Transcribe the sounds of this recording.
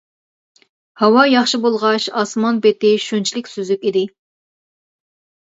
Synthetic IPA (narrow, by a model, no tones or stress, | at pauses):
hɑwɑjɑχʃibolˠʁɑʃɑsmɑnbet̪ɪʃunt͡ʃʰilɪkʲsyzykʲid̪ɪ